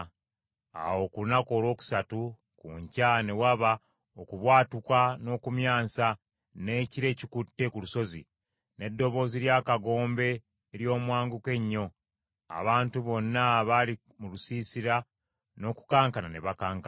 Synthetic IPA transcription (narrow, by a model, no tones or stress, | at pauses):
a̰wo̞kuunako̞ːlo̞ːku̥satu | kuɲcane̞waβa | okuβwaːtukwano̞ːkumjaːnsa | ne̞ciɾe̞ːcikutːe̞kuluso̞zḭ | ne̞dːo̞βo̞ːziɾjaːkaɡo̞ːmbe̞ː | ɾjo̞ːmwaːŋɡuke̞ɲːo̞ | a̰βaːntuβo̞nːaβali | mulusiːsiɾa | no̞ːku̥kaːŋkanane̞βakaːŋka